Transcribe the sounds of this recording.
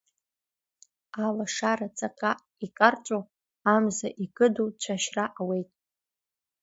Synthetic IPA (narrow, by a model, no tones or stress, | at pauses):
alaʂaɾat͡sʼakʼaʔ | ikʼart͡ʃʷʼo | amzaʔikʼɨdut͡ʃʷʰaʃraʔawe̞jtʼ